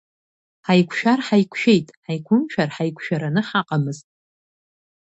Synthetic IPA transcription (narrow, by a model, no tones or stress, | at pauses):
ħajkʷʰʃᶣarħajkʷʰʃᶣe̞jtʼħajkʷʰʊmʃᶣarħajkʷʰʃᶣaɾanɨħaqʼamɨztʼ